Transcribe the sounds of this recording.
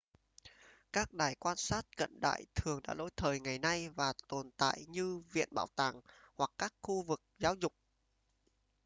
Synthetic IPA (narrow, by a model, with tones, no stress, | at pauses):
kaː˦˥k̚ɗaː˨˩jkwaː˧nsaː˦˥t̚kə̰˧˨nɗa̰ː˧˨jt̪ʰɨ˨˩əŋɗa̰ː˧˥lo̰˧˥jt̪ʰəː˨˩jŋa˨˩jna˧jvaː˨˩t̪o˨˩nt̪a̰ː˧˨jɲɨ˧vḭ˧˨ənɓa̰ː˧˨wt̪aː˨˩ŋ | hwa˨˩kːaː˦˥k̚xu˧vɨ˨˩k̚zaː˨˦wzʊ˨˩k͡p̚